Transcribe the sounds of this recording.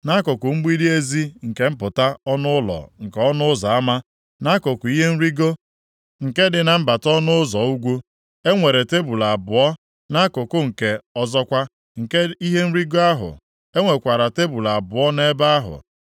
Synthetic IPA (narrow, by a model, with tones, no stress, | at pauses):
na˦kʊ˨kʊ˨ŋ͡m̩˦ɡ͡bi˦di˦e˦zi˦ŋ̩˨ke˦m̩˦pʊ˨ta˦ɔ˦nʊ˦ʊ˦lɔ̰˨ŋ̩˨kɔ˦nʊ˦ʊ˦za˨a˦ma˦ | na˦kʊ˨kʊ˨˦i˦ɦe˦n̩˦ɾi˦ɡo˦ | ŋ̩˨ke˦dɪ˨na˨m̩˦ba˨tɔ˦nʊ˦ʊ˦zɔ˨u˦ɡʷu˦ | e˦ŋʷe˨ɾe˨te˦bu˨la˨a˨bʊ˨ɔ˦ | na˦kʊ˨kʊ˦ŋ̩˨ke˨ɔ˦zɔ˦kʷa˦ | ŋ̩˨ke˦i˦ɦe˦n̩˦ɾi˦ɡo˦a˦ɦʊ̰˨ | e˦ŋʷe˨kʷa˨ɾa˨te˦bu˨la˨a˨bʊ˨ɔ˦ne˦ba˦a˦ɦʊ̰˨